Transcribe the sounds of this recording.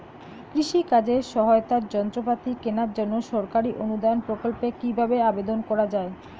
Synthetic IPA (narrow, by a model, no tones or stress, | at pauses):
kɾiʃikad͡ʑeʃɔɦoot̪aɾd͡ʑɔnt̪ɾop̬at̪ikenaɾd͡ʑonːoʃɔɾkaɾiʔonud̪ajonpɾokolpekibʱabeabed̪onkɔɾad͡ʑae